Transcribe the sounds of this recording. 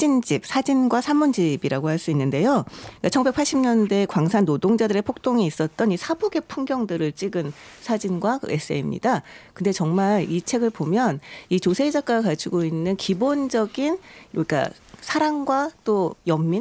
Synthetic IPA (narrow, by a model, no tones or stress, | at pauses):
t͡ɕind͡ʑip̚sʰad͡ʑinɡwasʰamːund͡ʑibiɾaɡohaɭs͈uinːɯnde̞jokat͡ɕʰʌŋbe̞k̚pʰaɭɕ͈ʰimɲʌnde̞kwaŋsʰanːodoŋd͡ʑadɯɾe̞pʰok̚t͈oŋiːs͈ʌt̚t͈ʌnisʰaboɡe̞pʰuŋɡjʌŋdɯɾɯɭt͡ɕ͈iɡɯnsʰad͡ʑinɡwakɯes͈ɯḛimɲḭdakɯnde̞t͡ɕʌŋmaɾit͡ɕʰe̞ɡɯɭpomjʌnit͡ɕosʰe̞id͡ʑak͈aɡakad͡ʑiɡoinːɯnkibond͡ʑʌɡinik͈a̰ | sʰaɾaŋɡwat͈ojʌmːi